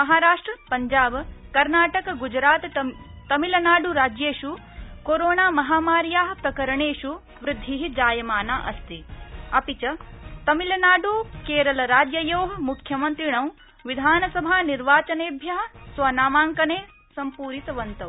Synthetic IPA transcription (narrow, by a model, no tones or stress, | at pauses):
mɐɦaːɾaːʂʈɾɐpɐɲd͡ʒaːbkɐɾnaːʈɐkɐɡud͡ʒɾaːt̪ | t̪ɐmilɐnaːɖuɾaːd͡ʒjeːʃu | koɾoːnaːmɐɦaːmaːɾjaːɦɐpɾɐkɐɾɐɳeːʃu | ʋɾɪd̪ʱːiɦid͡ʒaːjɐmaːnaːʔɐst̪iɐpit͡ʃɐt̪ɐmilɐnaːɖukeːɾɐlɐɾaːd͡ʒjɐjoːɦɐmukʰːjɐmɐnt̪ɾiɳɐw | ʋid̪ʱaːnɐsɐbʱaːniɾʋaːt͡ʃɐneːbʱjɐɦɐ̆sʋɐnaːmaːŋkɐneː | sɐmpuːɾit̪ɐʋɐnt̪ɐʋ